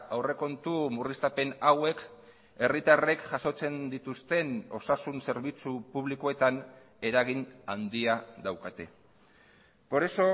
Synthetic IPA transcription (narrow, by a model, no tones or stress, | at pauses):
awre̞ko̞nt̪umurist̪ape̞nawe̞k | e̞rit̪are̞kʝaso̞t͡se̞nd̪it̪ust̪e̞no̞sasunse̞ɾβ̞it͡supuβ̞liko̞e̞t̪an | e̞ɾaɣ̞inand̪iad̪awkat̪e̞ | poɾeso̞